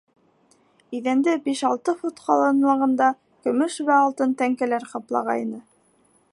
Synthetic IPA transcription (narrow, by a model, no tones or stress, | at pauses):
iðænd̪ɘbiʃɑlˠt̪ɤfut̪qɑlˠɤnwɑʁɤ̆nd̪ɑ | kɵ̆mɵʃβæɑlˠt̪ɤnt̪æŋkælæɾqɑplˠɑ̰ʁɑ̰inɤ